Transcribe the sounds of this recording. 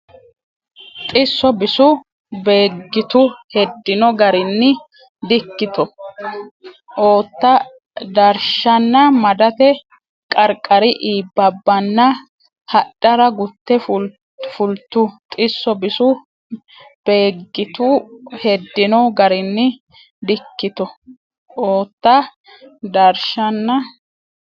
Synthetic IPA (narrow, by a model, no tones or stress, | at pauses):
t̪ʼɪsːɔbɪsʊ | beːɡːɪt̪ʊhɛd̪ːɪnɔɡɐɾɪnːɪ | d̪ɪkːɪt̪ɔ | ʔoːt̪ːɐ | d̪ɐɾʃɐnːɐmɐd̪ɐt̪ɛ | kʼɐɾkʼːɐɾɪʔiːbːɐbːɐnːɐ | hɐɗɐɾɐɡʊt̪ːɛf | fʊlt̪ːʊt̪ʼɪsːɔbɪsʊ | b̥e̞ːɡːɪt̪uhɛd̪ːɪnɔɡɐɾɪnːɪ | d̪ɪkːɪt̪ɔ | ʔoːt̪ːɐ | d̪ɐɾʃɐnːɐ